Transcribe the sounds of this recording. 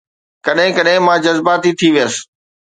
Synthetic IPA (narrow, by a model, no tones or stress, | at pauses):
kɐɗɦɪ̃kɐɗɦɪ̃mãːd͡ʑɐzbaːt̪it̪ʰiʋijəsɪ̥̆